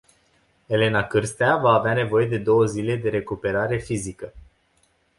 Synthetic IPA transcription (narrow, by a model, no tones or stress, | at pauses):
e̞le̞nakɨrst̪eavaːveane̞vo̞je̞d̪e̞d̪o̞wəzile̞d̪e̞ɾe̞kupe̞ɾaɾe̞fizikə